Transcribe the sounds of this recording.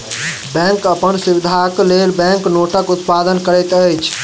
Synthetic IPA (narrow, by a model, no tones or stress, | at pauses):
bɛ̃ŋkəpənsuwid̪ʱaklelbɛ̃ŋknoʈəkut̪pad̪ənkəɾəjt̪əjt͡ʃʰ